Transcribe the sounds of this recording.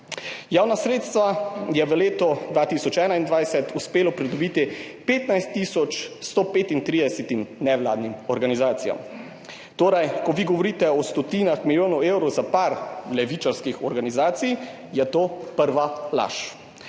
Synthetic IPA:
jaːwnasɾeːt̪st̪ʋajɛʋəleːt̪ɔd̪ʋaːt̪isɔt͡ʃɛːnaind̪ʋajsɛt̪uspeːlɔpɾid̪ɔbiːt̪ipeːt̪najst̪ːisɔt͡ʃst̪opeːt̪int̪ɾiːd̪ɛsɛt̪imnɛʋla̰ːd̪nimɔɾɡanizaːt̪sija̰m | t̪oːɾajkɔʋiːɡɔʋɔɾiːt̪ɛɔst̪ɔt̪iːnaxmiljoːnɔwewɾɔwzapaɾlɛʋiːt͡ʃaɾskixɔɾɡanizaːt̪sij | jɛt̪oːpəɾʋala̰ʃ

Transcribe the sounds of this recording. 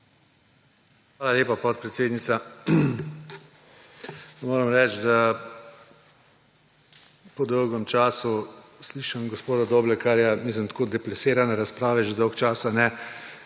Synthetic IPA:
xʋaːlaleːpapɔt̪̚pɾɛt̪seːd̪nit̪sa | moːɾɛmɾɛːt͡ʃd̪a | pɔd̪ɔwɡɔmt͡ʃaːsusliːʃamɡɔspoːd̪ad̪oːblɛkaɾjɛmiːslimt̪koːd̪ɛplaseːɾanɛɾaspɾaːʋɛʒed̪ɔwkt͡ʃaːsanɛ

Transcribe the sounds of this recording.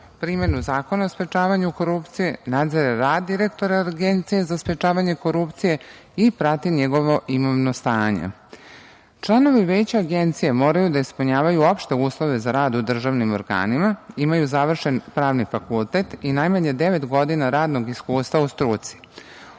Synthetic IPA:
pɾiːme̞nuzaːkonaospɾet͡ʃaːʋaɲuko̞ɾupt̪sijenad̪zeɾaɾaːd̪dːiɾe̞kt̪o̞ɾaɡent̪sijezaspɾet͡ʃaːʋaɲe̞ko̞ɾupt̪sije̞ | ipɾat̪iɲeɡo̞ʋo̞ʔimoʋnost̪aːɲḛ | t͡ʃlˠano̞ʋiʋeːt͡ɕaaɡe̞nt̪sijemo̞ːɾajud̪aispuɲaːʋajuo̞pʃt̪e̞uːslˠo̞ʋe̞zaɾaːd̪ud̪r̩ʒaʋnimo̞ɾɡa̰ːnimaimajuzaʋr̩ʃe̞npɾaːʋnifakulˠt̪et̪inajmaɲe̞d̪e̞ʋe̞t̪ɡo̞d̪inaɾaːd̪no̞ɡiskuːst̪ʋaust̪ɾuːt̪si̥

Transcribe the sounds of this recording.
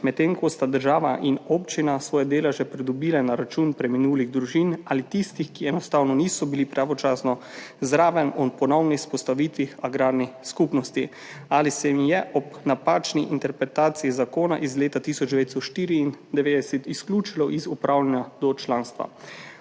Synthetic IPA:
mɛt̪ːeːŋkɔst̪ad̪əɾʒaːʋaʔinɔːpt͡ʃinasʋɔːjad̪eːlaʒɛpɾid̪ɔbiːlɛnaɾat͡ʃuːnpɾɛminuːliɣd̪ɾuʒinaːlit̪ist̪ixkiɛnɔst̪aːwnɔniːsɔbilipɾaʋɔt͡ʃaːsnɔzɾaːʋɛmɔpɔnɔwnixspɔst̪aʋiːt̪ʋixaɡɾaːɾniskupnɔst̪i | aːlisɛmijɛʔɔpnapaːt͡ʃniʔint̪ɛɾpɾɛt̪aːt̪siizakoːna̰ʔizleːt̪at̪isɔd͡ʒd̪ɛʋeːt̪st̪ɔʃt̪iːɾiːnd̪ɛʋeːd̪ɛsɛt̪isklʲuːt͡ʃilɔʔizupɾaːwlanjad̪ɔt͡ʃlãːnst̪ʋa̰

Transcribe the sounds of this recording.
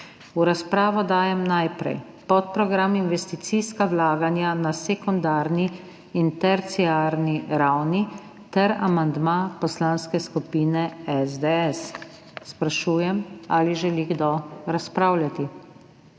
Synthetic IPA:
uɾaspɾaːʋɔd̪aːjɛmnajpɾɛ̰j | pɔt̪̚pɾɔɡɾaminʋɛst̪it̪siskawlaːɡanjanasɛkund̪aːɾniː | nt̪ɛɾt̪siaɾniɾawni | t̪ɛɾa̰mand̪mapɔslanskɛskupiːnɛɛzd̪ɛɛs | spɾaʃuːjɛmaliʒɛliɡd̪ɔɾaspɾawlʲjat̪i

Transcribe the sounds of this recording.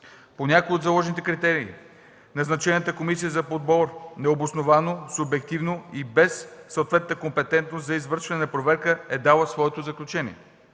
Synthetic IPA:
ponʲakojʲəod̪zɐlˠɔʒnit̪ɛkɾit̪ɛɾiː | nɐznɐt͡ʃɛnət̪əkomisijəzɐpod̪̚bɔɾnɛobosnovanosʊbɛk̚t̪ivnoibɛsːəwt̪vɛt̪nəkompɛt̪ɛnt̪nost̪zɐizvɤɾʃvɐnɛnɐpɾovɛɾkəɛd̪alˠəsvɔɛt̪ozəklʲut͡ʃɛnʲḭɛ

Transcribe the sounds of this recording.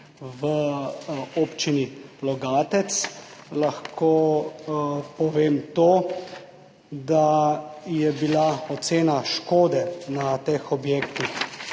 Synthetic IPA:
ʋə | oːpt͡ʃinilɔɡaːt̪ɛt̪slaxkʰo | pɔʋeːmt̪oː | d̪ajɛbilaɔt̪seːnaʃkoːd̪ɛnat̪exɔbjeːkt̪ix

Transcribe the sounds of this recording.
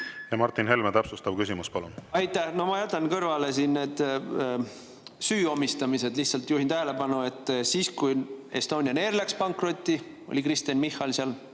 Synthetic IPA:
jɑmɑrt̪ːˑinɦe̞lmet̪æpsust̪ɑb̥̚kysimuspɑlunɑjt̪ːˑæhno̞hmɑjæt̪ːˑɑnkɤrvɑle̞siːnne̞ːd̪̥ | syːo̞mist̪ɑmise̞d̪liht̪sɑlt̪juːhint̪æɦele̞pɑnue̞t̪ːˑsiːskuje̞st̪o̞ːnʲiɑneːɾlækspɑŋkro̞t̪ʲːi | o̞̰lʲikɾist̪ɑnmihːɑlseɑl

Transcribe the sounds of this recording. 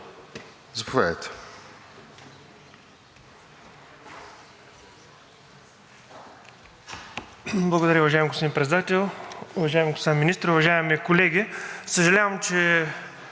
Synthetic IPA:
zɐpovʲja̰d̪ət̪ɛ̥ | blˠɐɡod̪ɐɾʲəʊvɐʒaɛmɡospod̪inpɾɛt̪ɛd̪at̪ɛlˠʊvɐʒaɛmɡosaminist̪ɾʊvɐʒaɛmikolɛɡʲisəʒɐlʲavəmt͡ʃɛ

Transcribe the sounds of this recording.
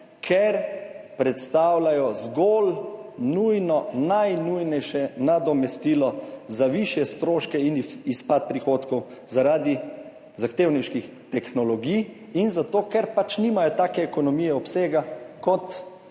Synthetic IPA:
kʰɛɾpɾɛt̪st̪aːwlajɔzɡolnujnɔnajnujnɛjʃɛnad̪ɔmɛst̪iːlɔzaʋiʃjɛst̪ɾoːʃkɛinispat̪̚pɾixoːt̪kɔw | zaɾaːd̪i | zaxt̪eːwniʃkix | t̪ɛxnɔlɔɡij | inzat̪oːkɛɾpat͡ʃnimajɔt̪aːkɛːkɔnɔmijɛɔpseːɡakɔt̪

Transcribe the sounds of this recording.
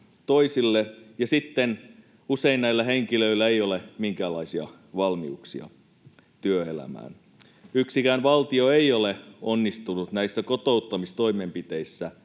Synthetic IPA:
t̪o̞isilːejɑsit̪ːen | use̞innæilːæɦeŋkiløilːæeijolemiŋkæːlɑisiɑ̰ | ʋɑlmiuksiɑ̰ | t̪yøelæ̰mæ̰ːn | yksikæːnʋɑlt̪io̞eioleonːist̪unut̪næisːækot̪out̪ːɑmist̪o̞imempit̪e̞isːæ

